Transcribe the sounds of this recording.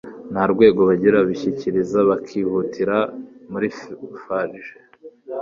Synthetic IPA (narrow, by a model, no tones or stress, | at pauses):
nhaɾɡwe̞ːɡo̞βaɟiɾaβiçiciɾizaβakʰiːhutʰiɾamuɾifaɾiʒe